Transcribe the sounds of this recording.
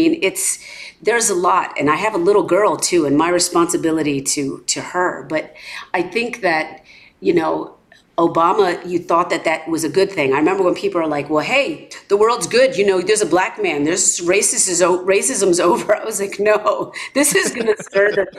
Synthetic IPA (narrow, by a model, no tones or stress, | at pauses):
ĩnɪts | ðə˞zəlɔɾɨ̰̃naɪɨvəlɪɾl̩ˠɡɜ˞lˠtʰʉɨ̃nmaɪɹɨspɑ̃nsɨbɪlˠəɾiɾɨɾɨə˞b̥ʌɾaɪθɪ̃ŋk̚ðɨt̚ | jɨnoʊ | oʊbɑməjɨθɔt̪̚ðɨt̪̚ðɨt̚wʌzɨɡʊd̪̚θɪ̃ŋaɪɹɨmɛ̃mbə˞wə̃npʰipl̩ˠə˞laɪkwɛlˠɦeɪðəwɜ˞lˠdzɡʊdjɨnoʊðə˞zəblækmæ̃nðə˞zɹeɪsɨsɨzoʊɹeɪsɨzə̃mzoʊvə˞aɪwʌzlaɪknoʊðɪsɨzɡʌnɨstɜ˞ðɨ